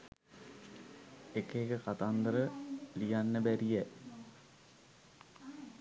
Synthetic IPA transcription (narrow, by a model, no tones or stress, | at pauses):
ekeːkəkat̪and̪əɾəlijanːəbæɾijæ